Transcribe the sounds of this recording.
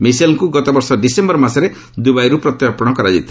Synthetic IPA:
miselŋkuɡɔt̪ɔbɔɾsɔɖisembɔɾmasɔɾe | d̪ubajɾupɾɔt̪japɔɽ̃ɔkɔɾad͡ʒḭt̪ʰ

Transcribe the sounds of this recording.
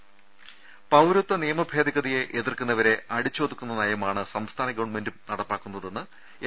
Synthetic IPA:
pɐwɾut̪ːɐnijɐmɐbʱe̞ːd̪iɣɐðije̞ʔeðirkunːɐʋɐɾe̞ɐɽit͡ɕːo̞ːd̪ikʲːunːɐnɐjɐmaːɳɨsɐmst̪ʰaːnɐɡɐʋɐɳme̞ndumnɐɽɐpːaːkːunːɐðe̞nːɨ

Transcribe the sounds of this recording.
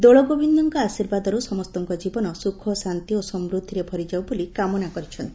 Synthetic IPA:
d̪oɭɔɡobʱind̪ɔŋkɔasiɾbad̪ɔɾusɔmɔst̪ɔŋkɔd͡ʒibɔnɔsukʰɔsant̪iosɔmɾud̪ʱːiɾebʱɔɾid͡ʒawbolikamɔnakɔɾit͡ʃʰɔnt̪i

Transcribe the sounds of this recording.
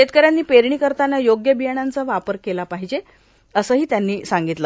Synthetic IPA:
ɕet̪̚kəɾjanːiːpeɾɳiːkəɾt̪anːajoɡjəbijəɳant͡səʋapəɾkelapaɦid͡ʑe | əsəːɦiːt̪janːiːsaŋɡit̪lə

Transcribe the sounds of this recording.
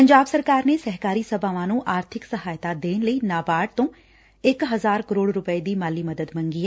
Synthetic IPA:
pəɲd͡ʒaːbsəɾkaːɾneːsɛɦkaːɾiːsəbaːʋãːnũːʔaːɾt̪ʰɪksəɦaːjt̪aːd̪eːnləiːnaːbaːɖ̚t̪õː | ɪkɦəzaːɾkəɾoːɽɾʊpəed̪iːmaːliːməd̪əd̪mə̃ŋɡiːɛː

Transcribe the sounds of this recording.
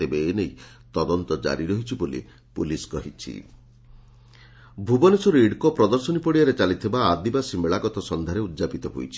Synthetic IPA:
ebeːnej | t̪ɔd̪ɔnt̪ɔd͡ʒa̰ɾiɾɔɦit͡ʃʰibolḭ | puliskɔɦit͡ʃʰḭ | bʱubɔnesɔɾiɽkɔpɾɔd̪ɔɾsɔnipɔɽijaɾet͡ʃalit̪ʰibaːd̪ibasimeɭaɡɔt̪ɔsɔnd̪ʱaɾeut̪ːd͡ʒapit̪ɔɦo̰jt͡ʃʰi̥

